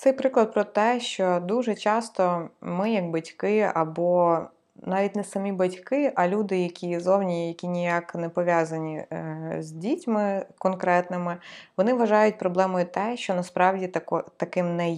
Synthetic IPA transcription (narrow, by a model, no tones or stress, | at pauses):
t̪sɛjpɾɪklˠɐd̪̚pɾɔt̪ɛʃt͡ʃɔd̪uʒɛt͡ʃɑst̪ɔmɪjɐɡ̚bɐtʲkɪɐ̰bɔ | nɑʋʲit̚ʲnɛsɐmʲibɐtʲkɪʔɐlʲud̪ɪjɐkʲʰizɔwnʲijɐkʲinʲijaknɛpɔʋʲjazɐnʲizʲdʲitʲmɪkɔnkɾɛt̪nɪmɪʋɔnɪʋɐʒɑjʊt̚ʲpɾɔblˠɛmʊjʊt̪ɛʃt͡ʃɔnɐspɾɑwdʲit̪ɐkɔt̪ɐkɪmnɛj